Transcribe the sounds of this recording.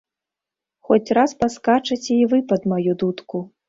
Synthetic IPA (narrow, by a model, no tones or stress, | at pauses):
xɔt͡sʲraspaskat͡ʂɐt͡sʲɛivɨpɐd̪majud̪ut̪ku